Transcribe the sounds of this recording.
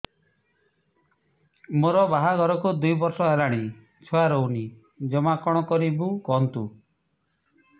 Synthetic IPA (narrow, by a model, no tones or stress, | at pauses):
moɾɔbaɦaɡɔɾɔkud̪ujbɔɾsɔelaɽ̃i | t͡ʃʰɔaɾowni | d͡ʒɔmakɔɽ̃ɔkɔɾibukɔɦɔnt̪u